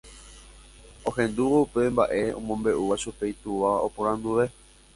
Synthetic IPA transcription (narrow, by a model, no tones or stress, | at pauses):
õ̞hẽ̞nd̪uʋoupe̞mba̰ʔe̞õ̰mõ̞mbe̞ʔuʋaʃupejt̪uʋaopõɾ̃ãnd̪uʋe̞